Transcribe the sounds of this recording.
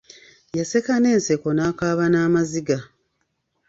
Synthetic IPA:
jase̞kane̞ːnseko̞naːkaːβanaːmaziɡa

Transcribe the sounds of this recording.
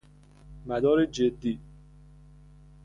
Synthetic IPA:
mæd̪ɒːɾed͡ʒed̪ːiː

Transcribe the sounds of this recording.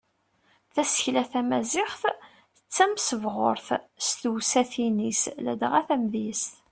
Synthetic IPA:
θæsə̥çlæθæmæzɪχθ | ət͡sːæmsəvʁʊɾθst̪uwsæθinislæ̰d̪ʁæθæmðist̪

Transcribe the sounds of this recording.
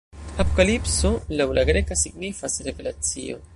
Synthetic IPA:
apokalipsolawlʔaɡɾekasiɡnifasɾevelat͡sḭo̰

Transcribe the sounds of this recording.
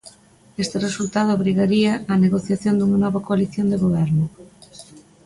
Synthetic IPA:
est̪eresult̪að̞ʊaβɾiɣaɾiaaneɣoθjaθjond̪uŋanɔβakoaliθjond̪eɣoβ̞ɛɾnʊ

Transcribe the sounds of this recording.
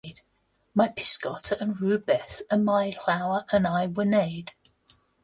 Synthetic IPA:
d̥ | maɪpʰɪ̥skɑtʰəʔə̃nɹʉːbɛθəmaɪlaʊəɹʔə̃naɪwəneɪd̥

